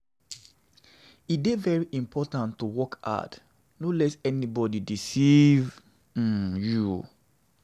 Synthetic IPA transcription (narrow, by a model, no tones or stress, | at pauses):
it̚devɛɹiʔĩmpʰɔtãntːuwɔka̰t | nolɛsɛnibɔdidisiv̩ | ju